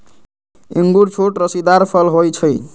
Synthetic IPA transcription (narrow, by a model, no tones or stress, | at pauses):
iŋɡuɾt͡sʰoʈrʌsid̪arpʰʌlɦojt͡sʰʌj